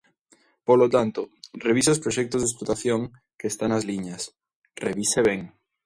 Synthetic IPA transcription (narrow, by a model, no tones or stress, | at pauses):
polot̪ant̪oreβiseospɾoʃɛk̚t̪ozðesplot̪aθjoŋ | keːst̪anazliɲɐs | reβiseβɛŋ